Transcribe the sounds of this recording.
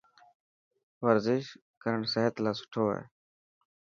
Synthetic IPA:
ʋəɾzɪʃ | kəɾəɳseɦət̪laːsʊ̥ʈʰoːḛː

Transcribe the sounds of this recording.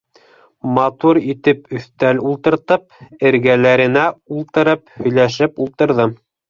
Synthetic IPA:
mɑt̪uɾit̪ɘpɵ̆θt̪ælulˠt̪ɤ̆ɾt̪ɤp̚ɘ̆ɾɡælæɾɘ̆næulˠt̪ɤ̆ɾɤphɵ̆jlæʃ̬ɘpulˠt̪ɤ̆ɾðɤ

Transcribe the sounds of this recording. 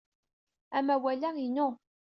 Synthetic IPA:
æmæwælæinʊ

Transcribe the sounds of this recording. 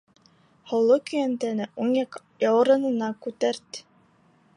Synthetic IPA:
hŏwlˠokɵ̆jænt̪ænɘʔuŋjɑk | jɑwɤ̆ɾɤ̆nɤ̆nɑkʉt̪æɾt̪

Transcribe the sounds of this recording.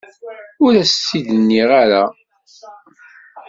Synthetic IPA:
ʊɾæstːid̪ənːiʁaɾa

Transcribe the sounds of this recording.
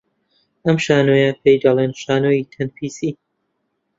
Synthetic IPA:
ʔɐmʃaːnoːjɐpʰejd̪ɐleːnʃaːnoːjit̪ʰɐnpʰiːsiː

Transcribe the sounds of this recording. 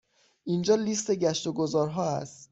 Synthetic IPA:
ʔind͡ʒɒːliːst̪e̞ɟæʃt̪oɡozɒːɾɦɒːæ̰st̪

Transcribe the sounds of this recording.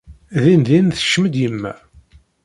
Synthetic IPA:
ðinðinθə̥ʃməd̪jəmːæ̰

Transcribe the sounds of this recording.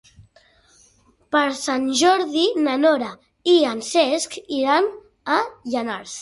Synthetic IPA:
pəɾsanʒɔɾðinənɔɾa | iansɛskiɾan | aʎənaɾs

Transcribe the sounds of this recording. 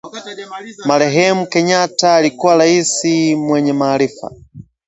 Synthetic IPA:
malɛɦɛmukɛɲataːlikualaisimwɛɲɛmaːlifa̰

